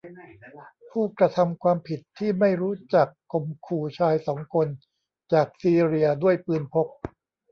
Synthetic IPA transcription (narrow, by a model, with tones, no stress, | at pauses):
pʰuː˥˩kɾa˧t̪ʰa˧mkʰwaː˧mpʰi˨˩t̪ʰːiː˥˩ma˥˩jɾuː˦˥t͡ɕa˨˩kːo˧mkʰuː˧t͡ɕʰaː˧jsɔː˩˦ŋkʰo˧n | t͡ɕaː˨˩k̚siː˧ɾi˧ɐdu˥˩əjpɯː˧npʰo˦˥k̚